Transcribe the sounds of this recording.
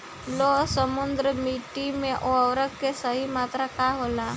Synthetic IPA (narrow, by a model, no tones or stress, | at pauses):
losəmund̪ɾəmiʈimẽʔoəwɾəkkːesəɦimaːt̪ɾakaɦola